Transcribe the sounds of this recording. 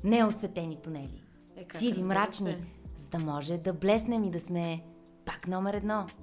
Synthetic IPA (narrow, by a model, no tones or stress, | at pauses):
nɛosvɛt̪ɛnit̪ʊnɛlḭ | sivimɾat͡ʃnizɐd̪ɐmɔʒɛd̪ɐblɛsnɛmid̪ɐsmɛ | paknɔmɛɾɛd̪nɔ